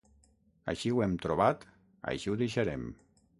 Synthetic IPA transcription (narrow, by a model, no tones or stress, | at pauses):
ə̰ʃiwɛmt̪ɾuβat̪ | a̰ʃiwðiʃəɾɛm